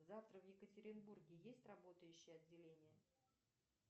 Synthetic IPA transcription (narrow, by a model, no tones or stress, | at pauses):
zaft̪ɾəvjɪkətʲɪɾʲɪnburɡʲɪjesʲtʲrɐbo̞t̪əjʉɕːɪjəɐdʲːɪlʲenʲɪjə